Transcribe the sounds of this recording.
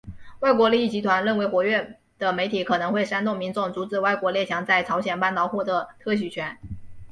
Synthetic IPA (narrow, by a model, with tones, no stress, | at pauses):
wa˥˩ɪkwɔ˧˥li˥˧i˥˩t͡ɕi˧˥t̪ʰwa˧˥nɻə˥˩nwe˧˥ɪxwɔ˧˥ɥɛ˥˩n | d̪̥ə˩me˧˥ɪt̪ʰi˨˥kʰɤ˨˩nɤ˧˥ŋxwe˥˩ɪʂa˥nt̪ʊ˥˩ŋmi˧˥nʈ͡ʂʊ˥˩ŋt͡su˧˥t͡sɹ̩˨˩wa˥˩ɪkwɔ˧˥ljɛ˥˩t͡ɕʰjɑ˧˥ŋt͡sa˥˩ɪʈ͡ʂʰɑ˧˥ʊɕjɛ˨˩npa˥˩nt̪ɑ˨˩ʊxwɔ˥˩d̪ə˧˦t̪ʰɤ˥˩ɕ̬y˨˩t͡ɕʰɥɛ˧˥n